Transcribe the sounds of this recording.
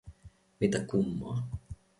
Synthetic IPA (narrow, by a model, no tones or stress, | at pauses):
mit̪akumːoɑ